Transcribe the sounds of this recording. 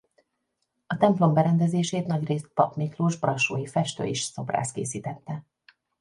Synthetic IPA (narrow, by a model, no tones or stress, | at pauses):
ɒt̪ɛmplo̞mbɛɾɛnd̪ɛzeːʃeːt̪nɒɟreːst̪̚pɒpmikluʒbrɒʃoːjifɛʃt̪ø̰ːiʃso̞bra̰ːst̪̚kḛːsiːt̪ɛt̪ːɛ